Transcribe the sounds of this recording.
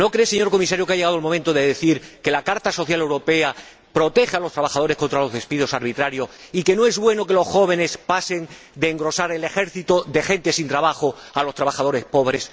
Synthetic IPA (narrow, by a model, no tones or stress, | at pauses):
no̞kɾe̞se̞ɲo̞ɾko̞misaɾjokeaʝeaðolmomẽnt̪oðe̞ðeθiɾke̞lakaɾt̪aso̞θjale̞wɾo̞pe̞a | pɾo̞t̪e̞xealo̞st̪ɾaβaxað̞o̞ɾe̞sko̞nt̪ɾalo̞zðe̞spiðo̞saɾβ̞it̪ɾaɾjo̞sike̞no̞e̞zβwe̞no̞ke̞lo̞sxo̞β̞e̞ne̞spase̞ŋ | d̪e̞ːŋɡɾo̞saɾe̞le̞xe̞ɾθit̪oðe̞xẽ̞nt̪e̞sint̪ɾaβaxo̞alo̞st̪ɾaβaxað̞o̞ɾe̞spo̞βɾe̞s